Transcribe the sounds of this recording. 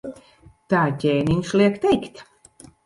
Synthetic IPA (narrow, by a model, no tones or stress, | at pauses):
t̪aːtʲeːniɲslˠiɛkt̪ɛjkt̪ʲ